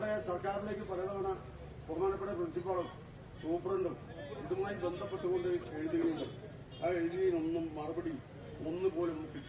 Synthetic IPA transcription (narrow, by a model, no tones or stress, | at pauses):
ɽesɐrkaːrile̞ːk̬ʲːɨpɐlɐðɐʋɐɳɐ | purɐmaːnɐpːeɽɐprɐnɕipːaːɽɐm | suːprɐɳɖɨ | iðumaːjibe̞nd̪ʱɐpːe̞ʈːuɣo̞ɳɖɨʋeːɖiɣɐunːɐ | aːeɻd͡ʑiɐjino̞nːumːɐrɐbɐɽi | o̞nːɨpo̞ːlumːukːi